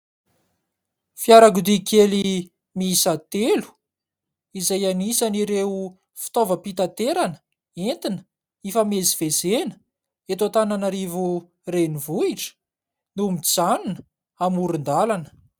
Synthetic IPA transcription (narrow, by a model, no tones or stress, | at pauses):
fjaɾaɡud̪ikʰeli | misat̪elu̥ | izajanisaniɾeu | fi̥t̪ovəpit̪at̪eɾanə̥ | ent̪inə̥ | ifamezivezenə̥ | et̪at̪ananaɾivu | renivuiʈ͡ʂə̥ | numit͡sanunə | amuɾind̪alanə̥